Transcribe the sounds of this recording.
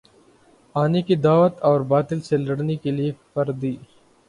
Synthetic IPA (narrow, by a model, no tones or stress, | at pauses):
aːnikid̪aːʋət̪ɔːɾbaːt̪ɪlselɐɽnekeliepɐɾd̪iː